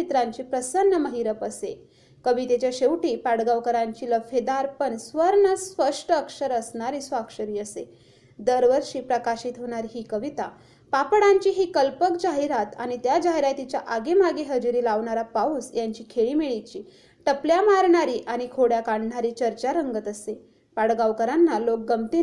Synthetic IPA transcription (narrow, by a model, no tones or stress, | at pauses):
it̪ɾaɲt͡ɕiːpɾəsənːəməɦiɾəpəse | kəʋit̪et͡ɕjaɕeʋʈiːpaɽɡaʋkəɾãɲt͡ɕiːləfʰed̪aɾpəɳsʋəɾɳəspəʂʈəəkʂəɾəsɳaɾiːsʋakʂəɾiːəse | d̪əɾʋəɾʂiːpɾəkaɕit̪ɦoɽ̃aɾɦiːkəʋit̪a | papɽaɲt͡ɕiːɦiːkəlpəkd͡ʑaɦiɾat̪añit̪jad͡ʑaɦiɾat̪it͡ɕjaʔaɡem̤aɡeɦəd͡ʑuɾiːlaʋɳaɾapauːsjaɲt͡ɕiːkʰeɭiːmeɭit͡ɕiː | ʈəpljamaɾɳaɾiːʔaɽ̃ikʰoɽjakaɳɖɳaɾiːt͡ɕəɾt͡ɕaɾəŋɡət̪əse | paɽɡaʋkəɾanːalok̚ɡəmt̪i